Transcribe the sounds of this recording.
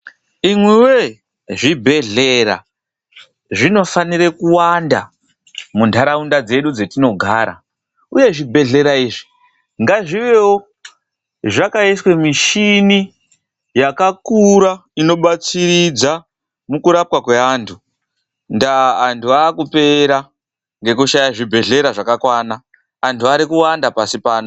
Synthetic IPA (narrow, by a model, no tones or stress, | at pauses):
imwiwe | ʐibʱe̞ɮeɾa̰ | ʐino̞faniɾekuwanda | mundʱaɾaundad͡ze̞ɗud͡zetino̞ɡʱa̰ɾa̰ | uje̞ʐibʱe̞ɮe̞ɾaiːʐi | ŋɡaʐiʋewo | ʐakaiswe̞miʃini | jakakuɾaino̞ɓat͡siɾid͡za | mukuɾap̚wakwe̞aːntʰu | ndaːntuaːkupe̞ɾa | ŋɡe̞kuʃajaʐibʱe̞ɮe̞ɾaʐakakwaːnaː | ntʰuaɾikuwandapasipaːno